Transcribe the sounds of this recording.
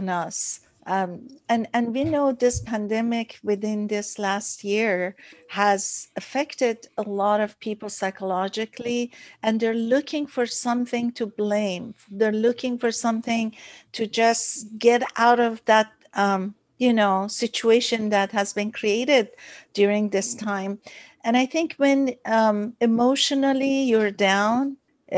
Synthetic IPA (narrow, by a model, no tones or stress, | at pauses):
nʌs | ɨ̃nɨ̃nwinoʊðɪspʰæ̃ndɛmɪkʰwɪðɪ̃nðɪslæst̚jɪɹhæzɨfɛktɪɾəlɔɾʌv̥pʰipl̩ˠsaɪkəlɑd͡ʒɨkʰliɨ̃nðə˞lʊkʰɪ̃ŋfə˞sʌ̃mθɪ̃ŋtʰɨblẽɪ̃mðə˞lʊkɪ̃ŋfəɹsʌ̃mθɪ̃ŋtʰɨd͡ʒʌsɡ̥ɛɾa̰ʊɾʌvðæt̚ʌ̃m | jɨnoʊsɪt͡ʃueɪʃɨ̃nðæt̚hæzbɨ̃nkʰɹ̥ieɪɾɪd̚djuɹɪ̃ŋðɪstʰãɪ̃mʔɨ̃ɾ̃aɪθɪ̃ŋkʰwɛ̃nʌmɨmoʊʃɨnəl̩ˠijə˞dãʊ̃n